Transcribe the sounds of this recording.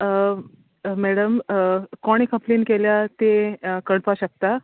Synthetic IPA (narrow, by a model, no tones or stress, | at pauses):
mɛɽəmkɔɽ̃ikʰəplinkeljat̪ekəɽpaɕək̚t̪a